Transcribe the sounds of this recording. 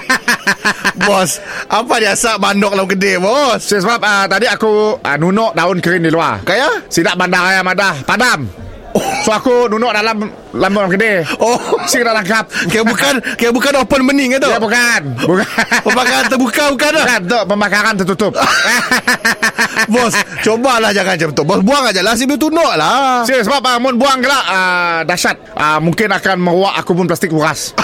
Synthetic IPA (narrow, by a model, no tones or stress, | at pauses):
bɔsʔapadiasabandɔk̚lamkədebɔsssəbap̚ət̪adiakuə̰nunɔʔdaʊnkəɾɪndilua̰kajasidaʔbandaɾajamadahpadam | soakununɔʔ̚dalam | lamklamkədeosikədaʔlaŋkap̚ajabukankajabukanopənmənɪŋət̪oabukanbukpəmbakaɾant̪əbukabukanaant̪oʔpəmbakaɾant̪ərt̪ut̪ʊp̚ | bɔst͡ʃobalahd͡ʒaŋand͡ʒabət̪ʊʔbɔsbuaŋaʔd͡ʒalas̬ibəlut̪unɔʔlasisəbap̚əmʊnbuaŋkəlahədasat̪̚ʔəmuŋkɪnakanməɾuwaʔakup̬ʊnplast̪ɪk̚wuɾas